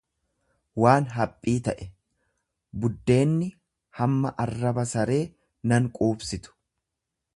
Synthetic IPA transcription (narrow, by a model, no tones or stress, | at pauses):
waːnɦɐpʼːiːt̪ɐʔɛ | bʊd̪ːe̞ːnːɪ | hɐmːɐʔɐrːɐbɐsɐɾe̞ː | nɐŋkʼuːbsɪt̪ʊ̥